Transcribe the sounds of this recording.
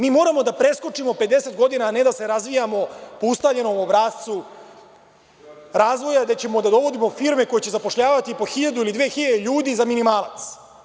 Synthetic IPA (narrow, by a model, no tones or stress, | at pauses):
miːmo̞ːɾamo̞d̪apɾe̞sko̞t͡ʂimo̞pe̞d̪e̞se̞t̪ɡo̞d̪inaːne̞d̪ase̞ɾazʋijamo̞poust̪avʎe̞no̞mobɾast̪su | ɾaːzʋo̞jad̪et͡ɕe̞mo̞d̪ad̪o̞ʋo̞d̪imo̞fiɾme̞ko̞jet͡ɕe̞zapo̞ʃʎaːʋat̪ipo̞xiʎad̪uilid̪ʋeːxiʎad̪eʎuːd̪izaminimaːlˠa̰t̪s